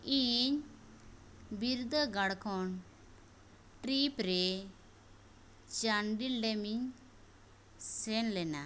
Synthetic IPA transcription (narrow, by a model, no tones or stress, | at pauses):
iɲ | biɾud̪əɡɐɽkʰɔn | ʈɾipɾe | t͡ʃaɳɖilɖemiɲ | senlena